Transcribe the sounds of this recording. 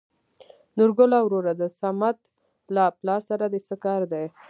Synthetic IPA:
nʊɾɡʊlawɾoɾad̪əsamat̪ | laplɑɾsaɾad̪əsəkɑɾd̪aj

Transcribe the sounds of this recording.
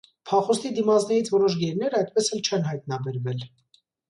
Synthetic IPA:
pʰɑχɔst̪id̪imɑt͡snɛɾit͡sʰvɔɾɔʃ̬ɡɛɾnɛɾəɑjt̪̚pɛsɛlt͡ʃʰɛnɦɑjt̪nɑbɛɾvɛl

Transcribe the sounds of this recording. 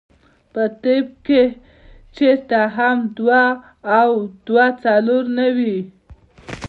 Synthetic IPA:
pət̪eb̚ke | t͡ʃeɾt̪aɦamd̪waː | wd̪wat͡saloɾnawi

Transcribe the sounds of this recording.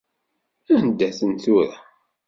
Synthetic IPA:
ænd̪ːæθənt̪ʊɾa

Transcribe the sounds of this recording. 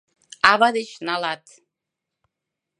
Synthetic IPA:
avad̪it͡ʃnalat̪ʰ

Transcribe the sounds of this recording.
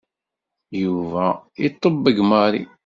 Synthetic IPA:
juvæit̪ˤːəbːəɡmɑɾḭ

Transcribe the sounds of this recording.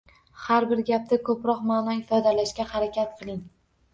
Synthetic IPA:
haɾbɪɾɡʲap̚t̪akʰɵpɾɒqmaːnɒɪfɒd̪alaʃkʲahaɾakʲʰat̪̚qʰɨlˠɪŋ

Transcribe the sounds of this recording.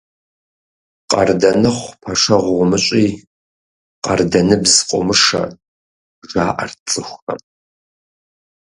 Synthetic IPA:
qɐ̰rdɐnɨχʷpʰɐʂɐʁʷʁʷʊmɨɕʼiː | qɐrdɐnɨbzqʷʼʊ̰mɨʂɐ̰ | ʒaːʔɐ̰rt͡sʼɨxʷxɐ̰m

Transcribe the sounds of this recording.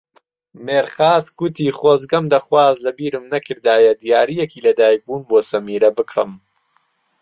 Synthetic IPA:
meːɾxaːzɡut̪ʰiːχoːzɡɐmd̪ɐxwaːzlɐbiːɾɨmnɐkʰɨɾd̪aːjɐd̪ijaːɾijɛkiːlɐd̪aːjik̚buːnboːsɐmiːɾɐbɨkɾɨ̰m

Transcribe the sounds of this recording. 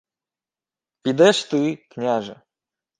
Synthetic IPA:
pʲid̪ɛʂt̪ɨknʲaʐɨ

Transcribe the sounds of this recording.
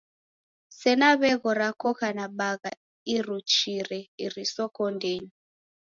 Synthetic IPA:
sɛnaβɛɣɔɾakʰɔkanaɓaɣa | irut͡ʃirɛirisɔkʰɔndʱeːni

